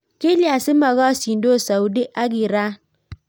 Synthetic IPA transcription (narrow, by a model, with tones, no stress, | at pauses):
ke˦li˦a˨sɪ˦ma˨ɣɔ˦si˨n̩˨do˦˨sa˨u˨di˦ʔa˦ɡi˨ɾa˦